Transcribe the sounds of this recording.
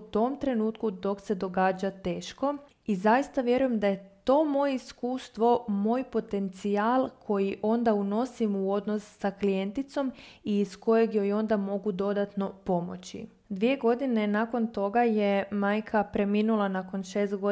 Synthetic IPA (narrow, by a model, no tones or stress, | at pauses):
ut̪o̞mt̪ɾe̞nuːt̪kud̪o̞kse̞d̪o̞ɡaːd͡ʑat̪e̞ːʃko̞ | izajist̪aʋje̞ɾuje̞md̪aje̞t̪o̞ːmo̞je̞iskuːst̪ʋo̞mo̞ːjpo̞t̪e̞nt̪siaːlˠkʰo̞jiʔo̞nd̪auno̞simuo̞d̪no̞sːaklije̞nt̪it̪so̞miːsko̞je̞ɡjo̞jo̞nd̪amo̞ɡud̪o̞d̪at̪no̞po̞mo̞̰t͡ɕḭ | d̪ʋije̞ɡo̞d̪ine̞nako̞nt̪o̞ɡaje̞maːjkʰapɾe̞miːnulˠanako̞nʃe̞ːst̪ɡo